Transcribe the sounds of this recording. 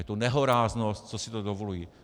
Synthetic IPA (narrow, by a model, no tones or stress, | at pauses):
ɛt̪unɛɦoɾaːznost̪̚t͡sosɪt̪odovolujiː